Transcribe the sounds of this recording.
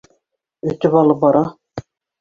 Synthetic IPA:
ɵ̆t̪ɘβɑlˠɤp̚bɑɾɑ

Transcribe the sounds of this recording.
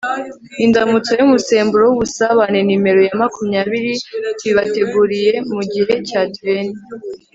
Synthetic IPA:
indamut͡sojumuse̞ːmbuɾowuβusaβane̞nime̞ɾo̞jamakumɲaːβiɾitwiβate̞ɡuɾije̞muɟiɦe̞caːtweni

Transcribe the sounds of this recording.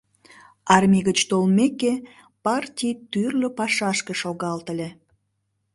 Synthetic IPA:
ɑrmʲiɣət͡ɕt̪olmeke | pɑrtʲijt̪yrləpɑʃɑʃkeʃoɣɑlt̪əlʲe

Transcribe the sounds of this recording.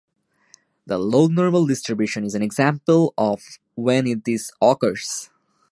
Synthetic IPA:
d̪əloːɡnɔːɹməlɖɪsʈɾɪbjuʃə̃nɪzæ̃nɛɡzæ̃mpəlˠɔf | wɛ̃nɪʈ̚d̪isɔkəɹs

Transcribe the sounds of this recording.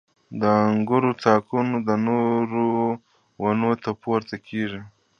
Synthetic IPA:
d̪əaŋɡʊɾot͡sɑkunod̪ənoɾo | wanot̪apoɾt̪akʰeʐi

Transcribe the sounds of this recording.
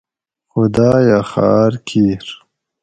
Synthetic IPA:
xʊd̪aːjaxa̰ːɾkʰiɾ

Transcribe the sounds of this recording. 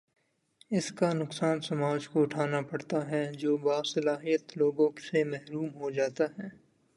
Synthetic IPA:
ɪskanʊksaːnsɐmaːd͡ʒkoʊʈʰaːnapɐɽt̪aɦɛd͡ʒoːbaːsɐlaːɦijət̪loːɡõsemɛɦɾuːmɦod͡ʒaːt̪aɦɛː

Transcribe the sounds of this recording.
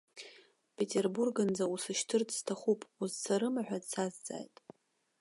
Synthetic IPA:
pʰetʰʼe̞rburɡɨnd͡zausɨʃtʰɨrdʰstʰaχupʼuzsaɾɨmaħʷᶣadsazd͡za̰ːjtʼ

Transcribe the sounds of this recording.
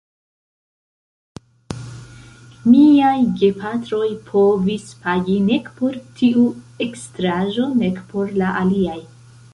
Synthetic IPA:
miajɡe̞pʰatɾo̞jpʰo̞vispaɡine̞kpo̞ɾtʰiu | e̞kstɾaʒo̞ne̞kpʰo̞ɾlaʔaliaj

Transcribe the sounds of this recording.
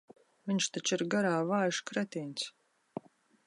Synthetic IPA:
vʲiɲʲʃt̪at͡ʃiɾɡaɾaːvaːjʃkɾɛt̪iːns

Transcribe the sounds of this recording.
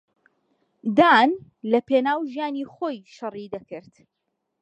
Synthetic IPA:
d̪aːn | lɐpenaːwʒijaːniχoːjʃɐrˤid̪ɐkɨɾt̪

